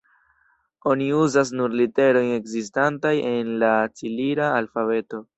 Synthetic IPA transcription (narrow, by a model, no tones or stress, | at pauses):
o̞niuzas̬nuɾlite̞ɾo̞je̞kzistantaje̞nlat͡siliɾaːlfave̞to̞